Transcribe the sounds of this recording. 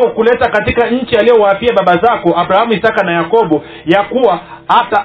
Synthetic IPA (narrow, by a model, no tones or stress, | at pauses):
ɔkulɛtakatikaɲ̩t͡ʃialijɔwapiaɓaɓazakɔʔaɓɾahamuisakanajakɔɓɔ | jakuwa | hata